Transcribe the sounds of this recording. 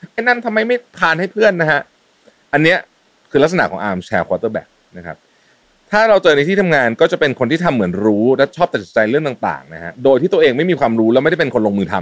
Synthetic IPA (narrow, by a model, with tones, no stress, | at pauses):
ʔɛ˥˩na˦˥˩nt̪ʰa˧mːa˧jma˥˩jp̪ʰaː˧nha˥˩jpʰɯ˥˩ənːa˦˥kʰa˦˥ʔ | ʔa˧nːi˦˥ɐ | kʰɯː˧la˦˥k̚sa˧na̰˨˩kʰɔː˩˦ŋʔaː˧mt͡ɕʰɛː˧kʰwaː˧t̪ɤː˥˩bɛ̰ː˨˩k̚na˦˥kʰa˦˥p̚ | t̪ʰaː˥˩ɾa˧wt͡ɕɤː˧na˧jt̪ʰiː˥˩t̪ʰa˧mŋaː˧nkɔː˥˩t͡ɕa˨˩pe˧nkʰo˧nt̪iː˥˩t̪ʰa˧mːɯ˩˦ənɾuː˦˥lɛ˦˥t͡ɕʰɔː˥˩t̪a˨˩t͡ɕi̥˨˩t͡ɕa˧jɾɯ˥˩əŋt̪aː˨˩ŋt̪a̰ː˨˩ŋna˦˥kʰa̰˦˥doː˧j̪ʰiː˥˩t̪u˧ʔeː˧ŋma˥˩jmiː˧kʰwaː˧mɾuː˦˥lɛ˧˦˥wm˥jda˥˩pe˧nkʰo˧nloː˧ŋmɯː˧t̪ʰa˧m